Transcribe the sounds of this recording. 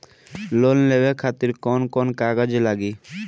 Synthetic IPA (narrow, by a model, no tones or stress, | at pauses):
lonlebekʰat̪iɾkɔnkɔnkaɡad͡ʒlaɡi